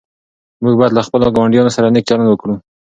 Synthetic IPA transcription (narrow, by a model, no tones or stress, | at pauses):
muɡ̚bɑjad̪laxpəloɡawaɳɖjɑnosaɾanek̚t͡ʃɑɾanwəkɽu